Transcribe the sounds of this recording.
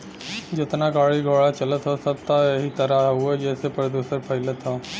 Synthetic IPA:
d͡ʒɪt̪naɡaːɽiɡʱoːɽat͡ʃɐlət̪ɦosɐt̪aɐɦit̪ɐɾaɦued͡ʒɛːsepəɾəd̪juːsəɾpʰɐɪlət̪ɦoː

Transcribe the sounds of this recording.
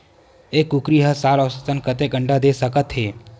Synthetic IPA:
ekukɾiɦəsaləʋsət̪ənkət̪ekɡəɳɖad̪esəkət̪ɦe

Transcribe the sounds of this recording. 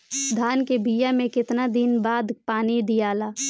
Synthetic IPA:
d̪ʱaːnkebijamẽkɪt̪nad̪ɪnbaːd̪paːnid̪ijaːlaː

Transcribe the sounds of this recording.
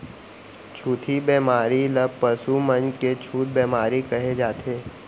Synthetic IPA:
t͡ʃʰuːt̪ʰibɛːmaːɾiləpɐsumə̃nd͡ʒket͡ʃʰuːt̪̚bɛːmaːɾikɐɦed͡ʒaːt̪ʰeː

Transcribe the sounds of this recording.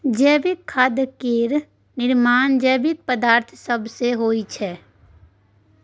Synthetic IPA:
d͡ʒɛːbɪkʰːaːd̪əkeːɾ | nɪɾmaːnd͡ʒɛːbɪk̚pəd̪aːɾt̪ʰsəbseɦoːit͡ʃʰɛː

